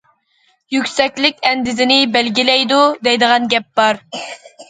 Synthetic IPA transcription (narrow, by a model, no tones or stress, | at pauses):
jykʲsɛkʲlɪkʲɛnd̪ɪzɪnɪbælɡʲilɛjd̪ud̪ɛjd̪əʁɑnɡʲɛp̚bɑɾ